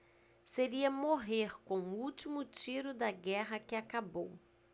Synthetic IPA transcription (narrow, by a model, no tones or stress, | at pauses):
seɾiɐmoɦeɾkõuwt͡ʃimʊt͡ʃiɾʊd̪ɐɡɛɦɐkɪakabow